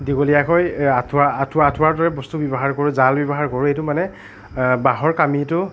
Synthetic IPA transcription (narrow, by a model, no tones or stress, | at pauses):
diɡolijakɔjatʰʊaatʰʊatʰʊwaɹdɔɹɛbɔstubɔbɔɦaɹkɔɹʊzalbɔbɔɦaɹkɔɹʊejtʊmanɛ | baɦɔɹkamitʊ